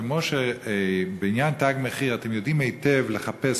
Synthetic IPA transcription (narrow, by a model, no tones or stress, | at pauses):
emoʃe | beinjantaɡmeχiʁatemjo̞dimejtevleχapes